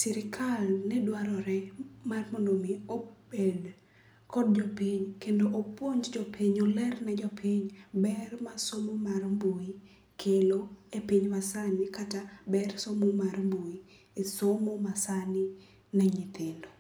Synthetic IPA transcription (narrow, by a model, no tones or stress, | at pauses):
sɛɾɪkʰalnɛdwaɾɔɾɛmarmonomiobed | kɔd̚d͡ʒɔpiɲkendoʔːpwoɲd͡ʒd͡ʒɔpiɲolɛrnɛd͡ʒɔpʰiɲbɛrmasomomarmbui | kʰeloepiɲmasanikatabɛrsomomarmbui | esomomasani | nɛɲit̪endo